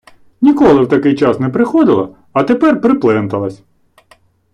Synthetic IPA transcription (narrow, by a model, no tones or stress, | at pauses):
nʲikɔlˠɪwt̪ɐkɪjt͡ʃɑsnɛpɾɪxɔd̪ɪlˠɐ̰ | ɐt̪epɛrpɾɪplˠɛnt̪ɐlˠɐsʲ